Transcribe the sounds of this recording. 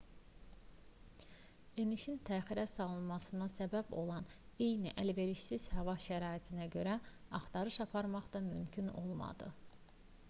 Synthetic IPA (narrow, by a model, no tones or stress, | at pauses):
eniʃint̪ʰæːχiɾæsɑlˠɯnmɑsɯnɑsæbæbo̞̰lˠɑne̞jniʔælve̞ɾiʃsiz̥hɑvɑʃæɾɑːit̪ʰinæɟø̞ɾæɑχt̪ɑɾɯʃɑpʰɑɾmɑχd̪ɑmymcʰyno̞̰lˠmɑ̰d̪̥ɯ̰